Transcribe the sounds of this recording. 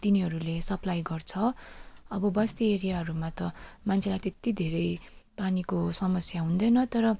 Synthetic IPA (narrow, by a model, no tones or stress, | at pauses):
t̪iniɦʌɾulesʌplajɡʌrt͡sʰʌʌbʌbʌst̪ieɾijaɦʌɾumat̪ʌmant͡sʰelajt̪et̪id̪ʱeɾʌjpanikosʌmʌsjaɦũnd̪ʌjnʌt̪ʌɾʌ